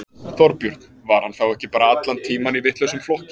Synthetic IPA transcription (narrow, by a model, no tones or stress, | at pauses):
θɔɾpjʏɾt̪nvaɾ̥hanθawɛhcɪpaːɾaat̪lant̪ʰiːmanivɪht̪lœɥsʏmflɔhcɪ